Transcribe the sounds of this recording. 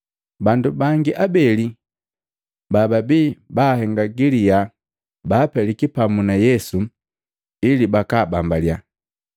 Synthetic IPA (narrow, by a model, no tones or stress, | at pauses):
bandubaŋɡiʔabɛli | bababiːbahɛŋɡaɡilija | baːpɛlikipamunajɛsu | ilibakaːbambalja